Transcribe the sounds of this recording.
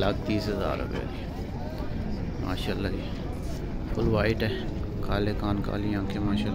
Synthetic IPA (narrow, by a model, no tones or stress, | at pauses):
lak̚t̪iːsɦəza̰ːɾʊ̰pḛo̰ːd̪iː | ma̰ːʃaːlːaːiː | pʰʊlʋaːɪʈɛ | kaːleːkaːnka̰ːliãːkʰemaːʃa